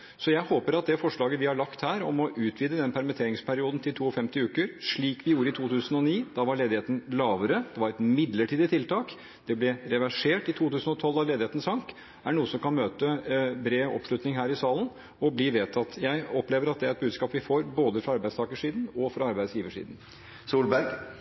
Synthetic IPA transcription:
sɔjæɪhoːpəɾɑt̪̚d̪ɛfɔʂɭɑːɡəʋɪhɑɭɑkt̪hæːɾɔmɔʔʉːt̪ʰʋiːd̪əd̪ɛnpʰæɾmɪt̪ʰeːɾɪŋspʰæɾɪuːd̪n̩t̪ʰɪlt̪ʰuːɔfɛmt̪ɪʉːkəɾʂɭiːkʋɪjuːɾəɪt̪ʰuːt̪ʰʉːsənɔniːd̪ɑʋɑɭeːd̪ɪheːt̪n̩lɑːʋəɾəd̪̥ɛʋɑɾɛt̪mɪd̪ləʈʰiːd̪ət̪ʰɪlt̪ʰɑːk | d̪̥ɛblɛɾɛʋæʂeːʈɪt̪ʰuːt̪ʉːsn̩ɔt̪ʰɔlːɑʋleːd̪ɪheːt̪n̩sɑŋk | æɳuːəsɔmkɑnmøːt̪əbɾeːʋɔ̰pʂɭʉt̪nɪŋɦæːɾɪsɑːlən | ɔbliːʋeːt̪ʰɑt̪jæɪɔpleːʋəɾɑt̪̚d̪ɛæɾɛt̪̚bʉːskɑːpʋɪfoːɾboːd̪əfɾɑɑɾbæɪst̪ʰɑːkəʂiːd̪n̩ɔfɾɑɑɾbæɪd̪sjiːʋəʂḭːd̪n̩ | suːlbæɾɡ

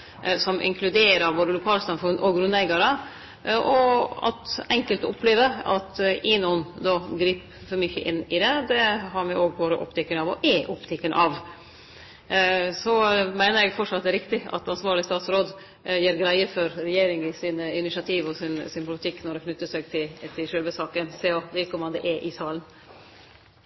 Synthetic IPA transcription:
sɔmʔɪ̰ŋkʰlʉd̪eːɾəɾboːd̪əlʊkʰɑːlsɑmfʉnːʔɔɡɾʉnlɛɪɡɑɾə | ʔɔɑ̰t̪ɛŋkəlt̪ʊ̰pʰːleːʋəɾɑ̰t̪ɪnuːnd̪ɔɡɾiːp | fɔɾmʏçːə̰ʔɪnːɪd̪ɛd̪ɛɦɑɾmɛoːɡ̚boːɾə̰ʔɔ̰pːt̪ʰɛkːənɑʋɔ̰ʔɛʔʊpt̪ʰɪkːənʔɑʋ | sɔmæɪnəɾɛɡfɔʈʂɑt̪d̪ɛæɾɪkt̪ɪɑ̰t̪ɑnsʋɑːɾɭɪst̪ɑːt̪sɾoːd̪ | jiːɾɡɾæɪəfɔɾɾɛjeːɾɪŋɪsɪnɪnɪʃɑt̪ʰiːʋɔsɪnsɪnpʰʊlɪt̪ʰɪkːnɔɖɛkʰnʉt̪ːəsæɡt̪ʰɪt̪ʰɪlʃøːlʋəsɑːkənseːɔʋɪɾkəmɑnd̪ɛʔɛʔɪsɑːlən

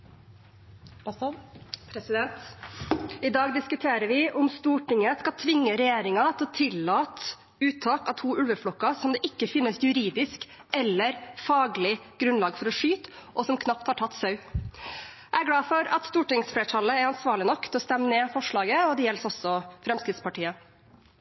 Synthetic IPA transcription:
ɛnt̪ | ɪd̪ɑːɡd̪ɪskʉt̪ʰeːɾəɾʋɪʔʊmst̪uːʈɪŋəskɑlt̪ʰʋɪŋːəɾɛjeːɾɪŋɑt̪ʰɛɔt̪ʰɪlːɑːt̪ | ʉːt̪ʰɑːkɑt̪ʰuːʉlʋəflɔkːɑsɔmd̪ɛʔɪkːəfɪnːəsjʉɾiːd̪ɪsk | ɛlːəɾfɑːɡlɪɡ̥ɾʉnlɑːɡfɔɾɔʂyːt̪ʔɔsɔmkʰnɑp̚t̪hɑʈʰɑt̪ːsɑʉ | ʔæɡɽɑːfɔɾɑ̰t̪st̪uːʈɪŋsfɽeːʈʰɑlːəæɾɑnsʋɑːɭɪnɔkːt̪ʰɛɔst̪ɛmːəneːfɔʂɭɑːɡəɔd̪ɛjɛlsɔsɔfɾɛmskɾɪft̪spʰɑʈiːə

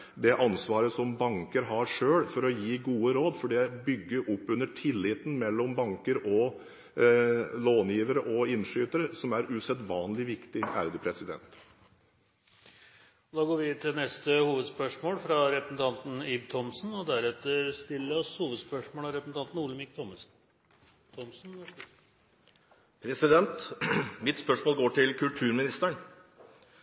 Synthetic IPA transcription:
d̪ɛʔɑnsʋɑːɾəsɔmbɑŋkəɾɦɑɾʂøːɽfɔɾɔjiːɡuːəɾoːd̪fɔɖɛbʏɡːəʔɔpːʉnːəʈʰɪlːɪt̪n̩mɛlːɔmbɑŋkəɾʔɔ | loːnjiːʋəɾəʔɔɪnʂyːt̪əɾəsɔmæɾʉsɛd̪ʋɑːnlɪʋɪkt̪ɪæ̰ːɾəd̪əpʰɾɛsɪd̪ɛ̰nt̪ | ɔd̪ɑːɡoːɾʋɪt̪ʰɪlnɛst̪əhuːʋəd̪spœʂmoːlfɾɑɾɛpɾəsn̩t̪ʰɑnt̪n̩ibt̪ʰɔmsnɔd̪æɾɛt̪ːəɾst̪ɪlːəɔshuːʋəd̪spœʂmoːlɑɾɛpɾəsn̩t̪ɑnt̪n̩uːləmɪk̚t̪ʰɔms | t̪ʰɔmsn̩ | pʰɾɛsɪd̪ɛnt̪mɪt̪spœʂmoːlɡoːʈɪlkʰʉlt̪ʰʉːɾmɪnɪst̪æɳ

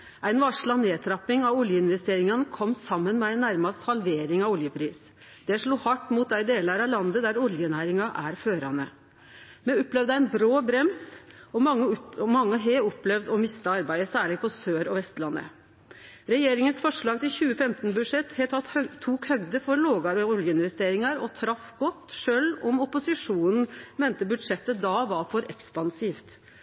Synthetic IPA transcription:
ʔæɪnʋɑʂɭɑneːt̪ʰɾɑpːɪŋɑʋʊljəɪnʋɛst̪eːɾɪŋɑnəkʰɔmːsɑmːənmɛæɪnːæɾmɑst̪hɑlʋeːɾɪŋɑʋʊljəpʰɾiːs | d̪ɛʂɭuːhɑʈːmuːt̪̚d̪æɪd̪eːlɑɾɑʋlɑnd̪əd̪æɾʊljənæːɾɪŋɑʔæɾføːɾɑnə̰ | mɛɔpːlɛʋd̪əæɪnbɾoːbɾɛmsɔɑəmɑŋːəɦeɔpːlɛʋd̪ɔmɪst̪əɑɾbæɪəsæːɭɪpʰɔsøːɾɔʋɛst̪lɑnːʔə̰ | ɾɛjeːɾɪŋənsfɔʂɭɑːɡ̚t̪ɪlçʉːəfɛmt̪nbʉd̪ʂɛt̪ːhɛt̪ʰɑt̪ʰːuːkhœɡd̪əfɔɾloːɡɑɾəɔljəɪnʋɛst̪eːɾɪŋɑɾɔt̪ʰɾɑfɡɔt̪ːʂøːlɔmɔpʊsɪʂuːnn̩mɛːnt̪əbʉd̪ʂɛt̪ːəd̪ɑʋɑfɔɾʔɛkspɑnsiːft̪

